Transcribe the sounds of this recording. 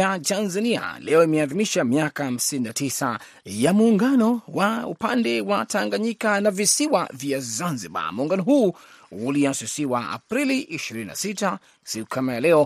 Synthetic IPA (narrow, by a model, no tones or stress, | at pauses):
atanzania̰lɛɔimɛaðimiʃamiakaham̩sininatisa | jamuːŋɡanɔwaṵpandɛwataŋɡaɲikanavisiwavjazanziɓa̰muuŋɡanɔɦuː | uliasusiwaa̰pɾiliʔiʃiɾinina̰sita | sikukʰamajalɛɔ